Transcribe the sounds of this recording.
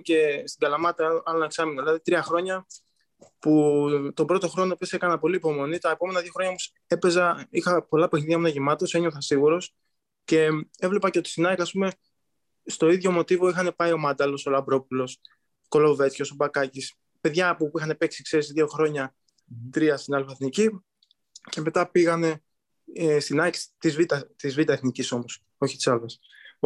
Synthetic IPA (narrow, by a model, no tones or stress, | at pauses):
ce̞st̪iɡɐlɐmɐt̪ɐɐleksɐminolɐðit̪ɾiɐxɾo̞ɲɐ | put̪o̞bɾo̞t̪o̞xɾo̞no̞pesekɐnɐpo̞liːpo̞mo̞nit̪ɐepo̞me̞nɐðʝo̞xɾo̞ɲɐomos | e̞pe̞zɐixɐpolɐpexniðiʝɐmunɐʝemɐt̪o̞se̞ɲoθɐsiɣuɾo̞s | ce̞e̞vle̞pɐceot̪i̥sinɐkɐspume̞ | st̪o̞iðʝo̞mo̞t̪ivo̞ixɐne̞pɐio̞mɐnd̪ɐlo̞so̞lɐbɾo̞pulo̞s | ko̞lo̞ve̞t͡sço̞so̞bɐkɐcis | pe̞ðʝɐːpopuixɐne̞peksi̥kse̞ɾisðio̞xɾo̞ɲɐ | t̪ɾiɐst̪inɐlfɐθnici | ce̞me̞t̪ɐpiɣɐne̞ | st̪inɐkst̪izvit̪ɐt̪izvit̪ɐeθniciso̞mo̞s | o̞çit̪i̥sɐlɐs